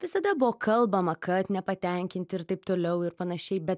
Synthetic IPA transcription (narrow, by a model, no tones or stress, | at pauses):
ʋʲɪsɐd̪ɐbʊʋoːkʰɐlˠbɐmɐkɐt̪nʲɛpɐt̪ʲɛŋʲkʲɪnʲt̪ʲɪɾt̪ɐɪpt̪oːlʲɛʊɪɾpɐnɐʃʲɛɪbʲɛt̪